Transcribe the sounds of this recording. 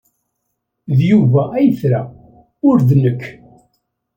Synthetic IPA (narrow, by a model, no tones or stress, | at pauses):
ðjuvæʔæjθɾa | ʊɾðnəkː